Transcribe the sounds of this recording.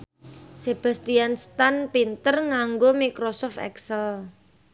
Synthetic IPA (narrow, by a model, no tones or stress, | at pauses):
seb̥a̤st̪ianst̪anpint̪ərŋaŋɡomikɾosɔft̪ɛ̰ksɛl